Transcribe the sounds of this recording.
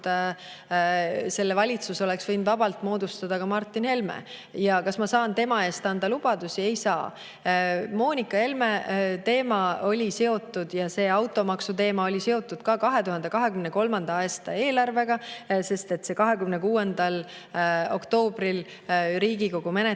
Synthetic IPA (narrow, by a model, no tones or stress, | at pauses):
se̞lːevɑlʲit̪suso̞le̞ksv̥ɤjnud̪vɑb̥ɑlt̪ˑmo̞ːd̪ust̪ɑd̪ɑkɑmɑrt̪ːˑinhe̞lmḛjɑkɑsmɑsɑːnt̪e̞mɑe̞ːst̪ɑnd̪̥ɑlub̥ɑd̪̥usie̞jsɑː | mo̞ːnʲikːˑɑhe̞lme̞t̪e̞ːmɑo̞lʲise̞o̞t̪ːˑud̪̥jɑse̞ːɑwt̪ːˑo̞mɑksut̪e̞ːmɑo̞lʲise̞o̞t̪ːˑud̪̥kɑkɑɦe̞t̪uhɑnd̪e̞kɑɦe̞kymneko̞lmɑnd̪̥ɑɑːst̪ɑe̞ːlɑrve̞ɡ̥ɑse̞st̪e̞t̪ːse̞kɑɦe̞kymnekuːe̞nd̪ɑl | o̞̰kt̪o̞ːbril | ɾiːɡiko̞ɡ̥ume̞ne